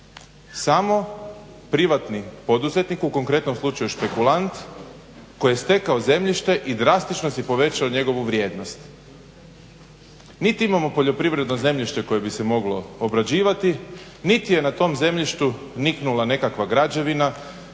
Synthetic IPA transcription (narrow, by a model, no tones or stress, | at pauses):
samo̞ | pɾiʋat̪nipo̞d̪uze̞t̪nikuko̞ŋkɾe̞t̪nomslˠut͡ʃajuʃpe̞kulant̪ | ko̞jest̪e̞kaoze̞mʎiʃt̪e̞ʔid̪ɾast̪it͡ʃnosepo̞ʋe̞t͡ɕaoɲe̞ɡo̞ʋuʋɾje̞ːd̪no̞st̪ | nit̪iimamo̞po̞ʎo̞pɾiʋɾe̞d̪noze̞mʎiʃt̪e̞ko̞je̞bise̞mo̞ɡlo̞obɾad͡ʑiːʋat̪i | nit̪ije̞nat̪o̞mze̞mʎiʃt̪u | niknulˠane̞kakʋaɡɾad͡ʑe̞ʋina